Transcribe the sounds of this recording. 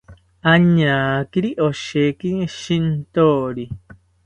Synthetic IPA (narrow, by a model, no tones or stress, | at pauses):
aɲãːkiɾiʔoʃekiŋeʃint̪oːɾi